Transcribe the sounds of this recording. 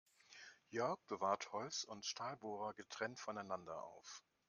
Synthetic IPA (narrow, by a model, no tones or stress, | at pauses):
jœɐk̚b̥əvaːɐthɔlsʊntʃtʰaːlboːʁɐɡətʁ̥ɛntfɔnaɪnandɐʔa̰ʊf